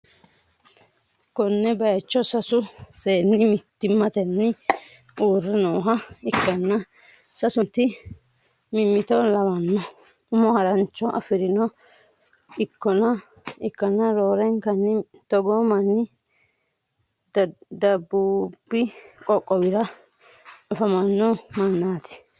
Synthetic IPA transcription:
kɔnːɛbɐjɐt͡ʃːɔsɐsʊseːnːɪmɪt̪ːɪmːɐt̪ɛnːɪ | uːrːɛnoːɦɐɪkːɐnːɐ | sɐsʊnt̪ːɪ | mɪmːɪt̪ɔlɐwɐnːɔ | ʊmɔhɐɾɐnt͡ʃːɔʔɐ̰fɪɾɪnɔ | ɪkːɔnɐ | ɪkːɐnːɐɾoːɾɛŋkɐnːɪt̪ɔɡɔmɐnːɪ | d̪ɐbːuːbːɪkʼɔkʼːɔbɪɾɐ | ɐfɐmɐnːɔmɐnːaːt̪ɪ̥

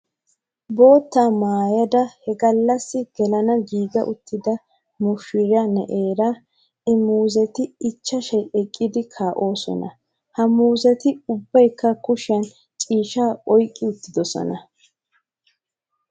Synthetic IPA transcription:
bo̞ːt̪ːaːmaːjɐd̪ɐhɛɡɐlːɐsːɪɡ̥ɛlɐnɐɡiːɡɐ̰ʔʊt̪ːɪd̪ɐ | mʊʃɪɾɐnɛʔeːɾɐ | ɪmuːzɛt̪ɪɪt͡ʃːɐʃɛjɛkʼːɪd̪ɪkʰaːʔo̞ːsɔ̰nɐ | hɐmuːzɛt̪ɪʊbːɐjkːɐkʊʃɪɐn | t͡ʃʼiːʃaːʔɔjkʼːɪʊt̪ːɪd̪ɔsɔ̰nɐ

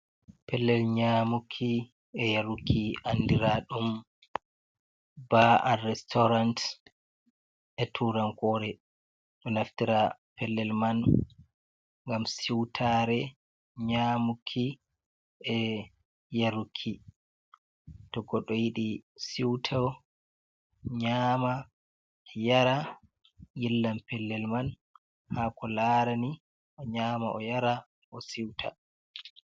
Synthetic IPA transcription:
pɛlːɛlɲamukʰːi | ɛjaɾukʰːiʔandiɾaɗum | baarɛstɔɾant | ʔɛtʰuɾaŋkɔɾɛ | ɗɔnaftiɾapɛlːɛlman | ŋɡamsiwtʰaɾɛ | ɲamukʰːi | ʔɛ | jaɾukʰːi | tɔɡɔɗɔjiɗisiwtʰaw | ɲaːma | jaɾa | jilːampɛlːɛlman | hakɔlaɾani | ʔɔɲaːmaʔɔjaɾa | ʔɔsiwtʰa̰

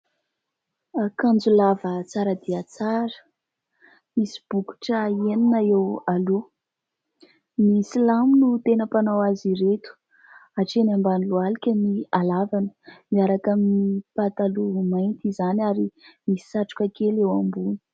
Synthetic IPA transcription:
kand͡zulavət͡saɾəd̪iət͡saɾə̥ | misi̥b̥uku̥ʈ͡ʂəieninəewalu | misilamunut̪enəpanawaziɾet̪u̥ | aʈ͡ʂenambanilualikʲənialavanə̥miaɾakaminipat̪alumajnt̪izanaɾimisi̥saʈ͡ʂu̥kʲakelewambuni̥

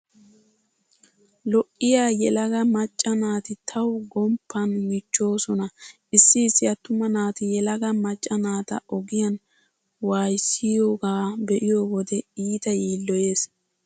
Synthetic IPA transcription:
lɔʔːɪjaːjɛlɐɡɐmɐt͡ʃʼːɐnaːt̪ɪt̪ʰɐwɡɔmpʰːɐnmɪt͡ʃːo̞ːsɔnɐʔɪsːɪːsːɪjɐt̪ːʊmɐnaːt̪ɪjɛlɐɡɐmɐt͡ʃʼːɐnaːt̪ɐ̰ʔɔɡɪjɐn | waːjsɪjoːɡaːbɛʔɪjoːwɔd̪ɛiːt̪ɐjiːlːɔje̞ːs

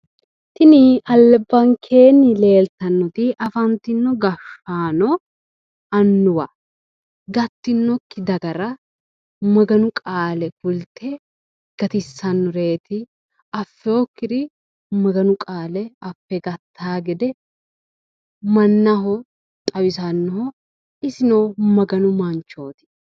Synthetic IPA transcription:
t̪ɪnɪɐlːɛbːɐŋkʰeːnːɪle̞ːlt̪ɐnːɔt̪ɪʔɐfɐnt̪ɪnːɔɡɐfaːnɔ | ɐnːʊwɐ | ɡɐt̪ːɪnːɔkːɪd̪ɐɡɐɾɐ | mɐɡɐnʊkʼaːlɛfʊlt̪ʰɛ | ɡ̥ɐt̪ɪsːɐnːɔɾe̞ːt̪ɪ | ɐfːɛɔkːɪd̪ɪ | mɐɡɐnʊkʼaːlɛɐfːɛɡɐt̪ʰːaːɡɛd̪ɛ | mɐnːɐɦɔ | t̪ʼɐwɪsɐnːɔɦɔ | ɪsɪnoːmɐɡɐnʊmɐnt͡ʃo̞ːt̪ɪ̥

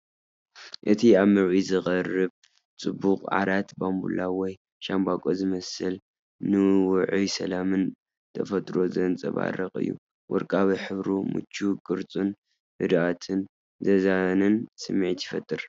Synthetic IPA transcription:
ʔɨt̪ʰiaβmɨɾʕizɨɣʼɐrɨβ | t͡sʼɨbːuqʼʕa̰ɾat̪bambṵlawɔj | ʃambakʼozɨmɐsɨl | nɨwʊʕujsɐlamɨn | t̪ʰɐfɐt̪ʼɾo̞zɐnt͡sʼɐβa̰ɾɐqʼɨ̰jːṵ | wʔɔ̰ɾkʼaβiħɨβɾumɨ̰t͡ʃːukʼɨɾt͡sʼun | bɨd̪ʔat̪ʰɨn | zɐzanɨnsɨmːʕit̪jɪfɐt̪ʼːɨɾ

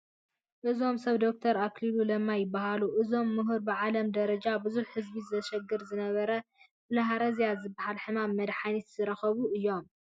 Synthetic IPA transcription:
ʔɨzo̞msɐβd̪o̞k̚t̪ʰɐɾaklilulɐmːajɪbːaɦaluʔɨzo̞mːɨɦuɾbɨʕalɐmd̪ɐɾɐd͡ʒabɨzuħhɨzbizɨtɐʃɐɡːɨɾzɨnɐβɐɾɐ | bɨlɐɦaɾɐzijazɨbːahalħɨmamːɐd̪ħanit̪z̥ɨɾɐxɐβuɨjːo̞m

